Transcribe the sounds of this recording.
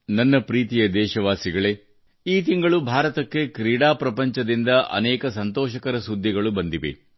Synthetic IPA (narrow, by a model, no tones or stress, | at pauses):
nɐnːɐpɾiːt̪ijɐd̪ɛːʃɐʋaːsiɡɐɭe̞ | iːt̪iŋɡɐɭubʱaːɾɐt̪ɐkːe̞kɾiːɽaːpɾɐpɐɲt͡ʃɐd̪ind̪ɐʔɐ̰nɛːkɐsɐnt̪ɔːʃɐkɐɾɐsud̪ʱːiɡɐɭubɐnd̪iʋḛ